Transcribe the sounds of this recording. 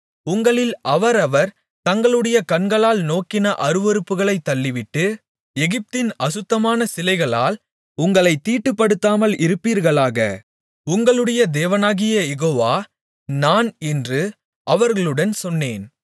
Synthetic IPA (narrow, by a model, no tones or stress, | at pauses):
ʊŋɡɐɭɪlɐʋɐɾɐʋɐɾ | t̪ɐŋɡɐɭɯɽɐjɐkɐɳɡɐɭaːlnoːkɪnɐʔɐɾɯʋɔɾɯpːɯɣɐɭɐɪt̪ːɐlːɪʋɪʈːɯ | ɛɣɪp̚t̪ɪnɐsɯt̪ːɐmaːnɐsɪlɐɪɣɐɭa̰ːl | ʊŋɡɐɭɐɪt̪ːiːʈːɯpːɐɽɯt̪ːaːmɐlɪɾɯpːiːɾɣɐɭaːɣɐ̰ | ʊŋɡɐɭɯɽɐjɐd̪eːʋɐnaːɣɪjɐjɛɣoːʋaː | naːnɛndrɯ | ʔɐʋɐɾɣɐɭɯɽɐnsɔnːeːn